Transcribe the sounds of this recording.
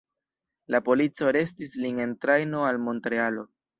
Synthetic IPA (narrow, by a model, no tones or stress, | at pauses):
lapo̞lit͡so̞ɾe̞stisline̞ntɾajno̞almo̞ntɾe̞alo̞